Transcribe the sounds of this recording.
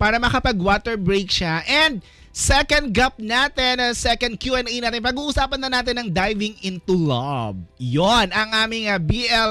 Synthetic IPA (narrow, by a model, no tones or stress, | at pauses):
paːɾɐmɐkɐpɐɡwaːt̪ɛɹbɹejk̚ʃaʔɛnd̪̚ | sɛkɐnd̪̚ɡɐp̚naːt̪ɛnɐsɛkɐnd̪̚kjuʔɛnɛjnaːt̪ɪnpɐɡuːʔʊsaːpɐnːɐnaːt̪ɪnːɐŋd̪ajvɪŋɪnt̪ulɐb̚jonɐŋʔaːmɪŋɐbiʔɛl